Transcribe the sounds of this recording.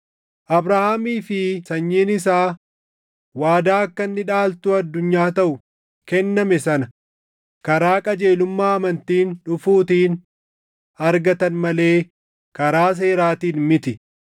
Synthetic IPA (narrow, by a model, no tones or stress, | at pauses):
ʔɐbɾahaːmiːfɪsɐɲːeːnɪs̬aː | waːd̪aːɐkːɐnːɪᶑaːlt̪ʊɐd̪ːʊɲːaːt̪ɐʔʊ | kɛnːɐmɛsɐnɐ | kɐɾaːkʼɐd͡ʒe̞ːlʊmːaːɐmɐnt̪iːnᶑʊfuːt̪iːn | ɐɾɡɐt̪ɐnmɐle̞ː | kɐɾaːs̬e̞ːɾaːt̪iːnmɪt̪ɪ